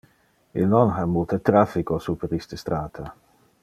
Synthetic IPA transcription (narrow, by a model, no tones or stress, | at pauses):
ilnɔnɦamult̪ʰet̪ɾafikosupəɾist̪əst̪ɾaːt̪ʰa